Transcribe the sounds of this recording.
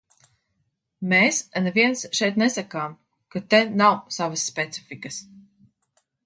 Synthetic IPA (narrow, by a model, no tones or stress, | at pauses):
meːsanviɛnsʃɛjt̪nɛsakaːm | kat̪enawsavasːpʲet̪si̥fʲikɐs